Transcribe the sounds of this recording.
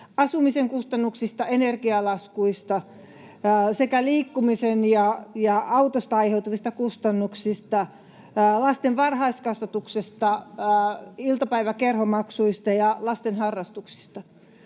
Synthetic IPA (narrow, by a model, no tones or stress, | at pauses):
ɑsumiseŋkust̪ɑnːuksist̪ɑenerkiɑlɑskuist̪ɑ | sekæliːkːumisenjɑjɑɑut̪ost̪ɑɑiheut̪uʋist̪ɑkust̪ɑnːuksist̪ɑ | lɑst̪enʋɑrhɑiskɑst̪ɑt̪uksest̪ɑ | ilt̪ɑpæiʋækerhomɑksuist̪ɑjɑlɑst̪enhɑrːɑst̪uksi̥st̪ɑ